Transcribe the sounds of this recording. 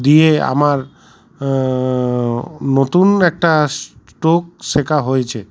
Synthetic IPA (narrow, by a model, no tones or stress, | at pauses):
d̪iea̰maɾ | not̪unɛk̚ʈas | ʈok̚ʃekaɦojet͡ɕʰe